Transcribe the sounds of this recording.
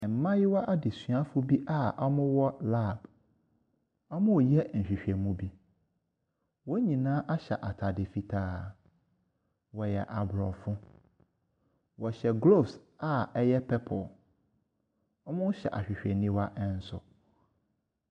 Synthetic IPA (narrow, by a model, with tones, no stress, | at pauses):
ɛ˨m̩˨mã˦jɪ˦wa˦ʔa˦dɪ˨sɥa˦fʊ˦bi˦ʔa˦a˦mʊ̃˦wɔ˦la˦˨b | ɔ˦mʊ̃˦˨jɛ˦n̩˨ɕᶣɪ˨ɕᶣɛ˨mũ˦bi˦ | wɔ˦ɲĩ˨nãː˦ʔa˦ɕɛ̰˨ʔa˨tʰa˨dɪ˨fi˦tʰaː˦˨ | wɔ˨jɛ˨ʔa˨bɾɔ˨fʊ̃˦ | wɔ˨ɕɛ˨ɡlo˦˨fs | a˦ɛ˦jɛ˦pʰɛ˦pʰɔ˨ | ɔ˦mʊ̃˦n˦ɕɛ̰˨ʔa̰˨ɕᶣɪ˨ɕᶣɛ˨nĩ˦wa˦ʔɛ̃˦n̩˦sʊ̰˨